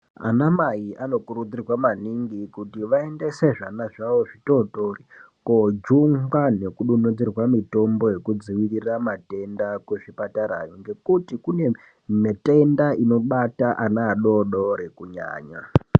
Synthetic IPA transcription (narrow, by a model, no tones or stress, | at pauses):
a̰namaiʔano̞kuɾud͡zirwamaniŋɡikutiʋae̞nde̞seʐanaʐaʋo̞ʐitoɗori | kod͡ʒuŋɡwane̞kuɗunod͡zirwamito̞mbo̞je̞kud͡ziwiriramate̞ndakweʐipataɾa̰jiŋɡe̞kutikune̞ | mete̞ndaino̞ɓataʔanaːɗo̞ɗoɾekuɲa̰ːɲa̰